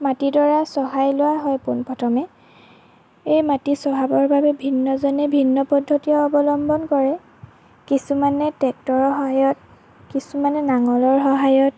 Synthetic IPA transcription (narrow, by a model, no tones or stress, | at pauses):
matidɔɹasɔɦajlʊwaɦɔjpunpɔtʰɔmɛ | ejmatisɔɦabɔɹbabɛbʱinːɔzɔnɛbʱinːɔpɔdʱːɔtiɔːbɔlɔmbɔnkɔɹɛ | kisumanɛtɛk̚tɔɹɦɔajɔt̚ | kisumanɛnaŋɔlɔɹɦɔɦajɔt